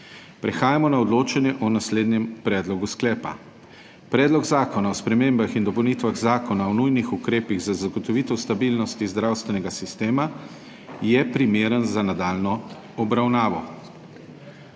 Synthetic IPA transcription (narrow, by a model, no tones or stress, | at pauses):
pɾɛxaːjamɔnaɔd̪loːt͡ʃanjɛʔɔnasleːd̪njɛmpɾɛːd̪lɔɡusklɛːpa̰ | pɾɛːd̪lɔɡzaːkɔnaɔspɾɛmeːmbaxind̪ɔpɛwnit̪ʋaɣzaːkɔnaɔnujnixukɾeːpiɣzazaɡɔt̪ɔʋit̪ɛwst̪abiːlnɔst̪izd̪ɾaːwst̪ʋɛnɛɡasist̪eːma | jɛpɾimeːɾənzanad̪aːlnɔ | ɔbɾawnaːʋɔ